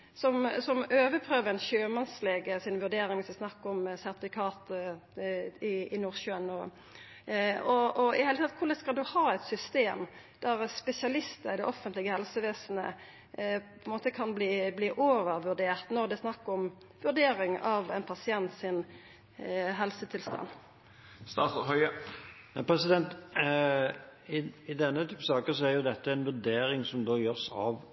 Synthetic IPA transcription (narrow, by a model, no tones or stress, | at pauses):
sɔmsɔmøːʋəpʰʁøːʋəɾɛnɕøːmɑnsleːɡəsɪnʋʉɾɖ̪eːɾɪŋʋɪsd̪ɛsnɑkːɔmsɛʁt̪ɪfɪkʰɑːt̪ | ɪɪnuʁʃøːənːɔ | ɔɔɪheːlət̪ʰɑt̪kʰʊʁlɛskɑld̪ʉhɑːɛt̪sʏst̪eːm | d̪̥æʁspɛsɪɑlɪst̪əɾɪd̪ɛʔɔfənt̪lɪɡəhɛlsəʋeːsn̩ə̰ | pʰɔɛnmoːt̪əkʰɑnbliːbliːʔoːʋəʁʋʉʁɖ̪eːʁt̪nɔʁd̪ɛsnɑkːɔm | ʋʉʁd̪eːɾɪŋɑʋɛɪnpʰɑsɪɛnt̪sɪn | ɦɛlsət̪ʰɪlst̪ɑ̰n | st̪ɑːt̪shœʏənæpʰɾɛsɪd̪ɛnt̪ | ɪɪd̪ɛnːət̪ʰyːpəsɑːkəsɔæɾjʊd̪ɛt̪ːəɛnʋʉd̪eːɾɪŋsɔmd̪oːjøːʁsɑ̰ʋ